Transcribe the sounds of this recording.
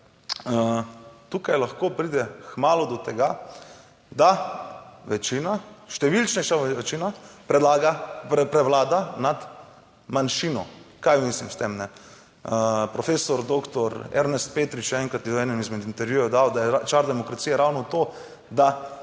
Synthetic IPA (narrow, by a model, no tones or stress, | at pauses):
t̪uːkajlaxkoːpɾiːd̪ɛkmaːlɔd̪ɔt̪ɛɡa | d̪a | ʋɛt͡ʃinaʃt̪ɛʋilt͡ʃnɛjʃaʋɛt͡ʃiːnapɾɛd̪laːɡaɛpɾɛʋlaːd̪anad̪ | manʃiːnɔkajmiːslimst̪emnɛ | pɾɔfeːsɔɾd̪okt̪ɔɾɛ̰ɾnɛst̪̚peːt̪ɾit͡ʃɛɛːŋkɾat̪jɛɔɛːnɛmizmɛd̪int̪ɛɾjujɔd̪awd̪ajɛat͡ʃaɾd̪ɛmɔkɾat̪siːjɛɾawnɔt̪oː | d̪a